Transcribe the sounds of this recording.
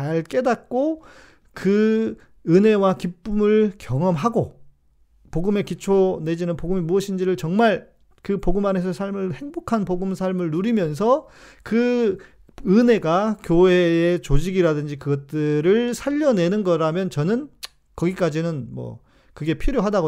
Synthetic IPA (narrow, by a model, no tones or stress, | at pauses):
t͡ɕaɭk͈e̞dat̚k͈o | kɯ | ɯne̞wakip͈umɯɭkjʌŋʌmɦaɡo | poɡɯme̞kit͡ɕʰone̞d͡ʑinɯnpoɡɯmimuʌɕʰind͡ʑiɾɯɭt͡ɕʌŋmaɭ | kɯpoɡɯmane̞sʰʌsʰaɭmɯɭhe̞ŋbokʰanpoɡɯmsʰaɭmɯɭnuɾimjʌns̬ʰʌ | kɯ | ɯne̞ɡakjoe̞ːet͡ɕod͡ʑiɡiɾadɯnd͡ʑikɯɡʌt̚t͈ɯɾɯɭsʰaʎːʌne̞nɯnɡʌɾamjʌnt͡ɕʌnɯn | kʌɡik͈ad͡ʑinɯnmwʌ̰ | kɯɡe̞pʰiɾjoɦadaɡo